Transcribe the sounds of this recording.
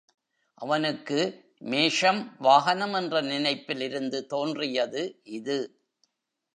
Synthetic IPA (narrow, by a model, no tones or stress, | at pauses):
ʔɐʋɐnɯkːɯ | meːʂɐmʋaːɣɐnɐmɛndrɐnɪnɐɪpːɪlɪɾɯnd̪ɯt̪oːndrɪjɐðɯʔɪðɯ